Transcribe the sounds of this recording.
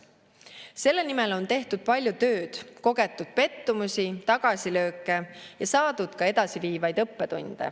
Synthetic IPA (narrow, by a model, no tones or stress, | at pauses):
se̞lːe̞nime̞lo̞nt̪e̞ht̪ud̪̥̚pɑlʲjut̪ø̞ːd̪̥ko̞ɡ̥e̞t̪ːˑud̪̥̚pe̞t̪ːumusʲit̪ɑɡ̥ɑsilø̞ːkːˑe̞jɑsɑːd̪̥ud̪̥kɑe̞d̪ɑsiviːvɑjd̪̥ɤpːe̞t̪ṵnd̪̥e̞̰